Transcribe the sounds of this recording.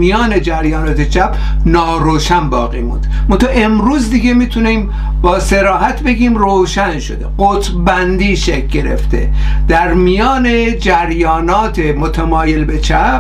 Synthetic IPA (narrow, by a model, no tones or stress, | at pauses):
mijɒːne̞d͡ʒæɾjɒːnɒːt̪ʰet͡ʃʰæp | nɒːɾoːʃænbɒ̰ːɣiːmṵːnd̪mont̪ʰɑʔemɾuːzd̪iɡemiːt̪ʰunim | bɒːse̞ɾɒːɦæt̪ʰbe̞ɡʲiːmroːʃænʃo̰d̪e̞ɢot̪ʰbænd̪iːʃekʲɡe̞ɾḛft̪ʰḛd̪̥æɾmijɒːned͡ʒæɾjɒːnɒːt̪ʰemot̪ʰæmɒːje̞lbet͡ʃʰæp